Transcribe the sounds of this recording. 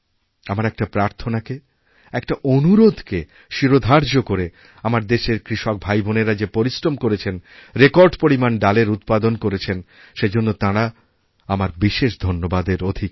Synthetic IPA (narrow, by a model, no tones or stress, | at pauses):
amaɾɛk̚ʈapɾaɾt̪ʰonake | ɛk̚ʈaʔonuɾod̪ʱke | ʃiɾod̪ʱaɾd͡ʑokoɾe | amaɾd̪eʃeɾkɾiʃok̚bʱajbʱoneɾad͡ʑepoɾisɾomkoɾet͡ɕʰenɾekoɾɖpoɾimanɖaleɾut̪̚pad̪onkoɾet͡ɕʰen | ʃed͡ʑonːot̪ãɾa | amaɾbiʃeʃd̪ʱonːobad̪eɾod̪ʱik